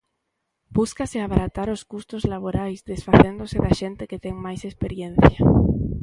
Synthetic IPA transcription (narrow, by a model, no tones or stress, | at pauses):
b̥uskasɪaβaɾat̪aɾʊskust̪ʊzlaβ̞oɾajzd̪esfaθend̪ʊsɪðaʃent̪ɪkɪt̪ɛŋmajsespeɾjen̟θja